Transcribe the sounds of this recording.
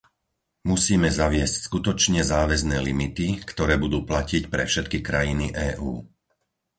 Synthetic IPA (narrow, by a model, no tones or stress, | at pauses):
musiːmɛzaʋɪɛscskut̪ɔt͡ʃɲɛzaːʋɛznɛːlimit̪ikt̪ɔɾɛːbud̪uːplacicpɾɛfʃɛt̪kikɾajiniʔɛːʔuː